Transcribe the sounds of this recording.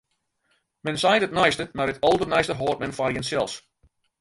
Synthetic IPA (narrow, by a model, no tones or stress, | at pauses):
mɛnsajtətnajstəmaɾətɔlˠdənɛjstəɦoːrt̚mɛnfarjənsɛlˠs